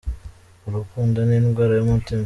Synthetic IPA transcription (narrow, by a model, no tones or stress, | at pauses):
uɾukuːndaniːnɡwaːɾajomutim